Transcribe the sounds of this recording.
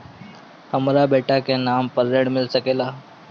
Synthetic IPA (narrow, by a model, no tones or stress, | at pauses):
həmɾabeʈakenampəɾːeɽmilsəkela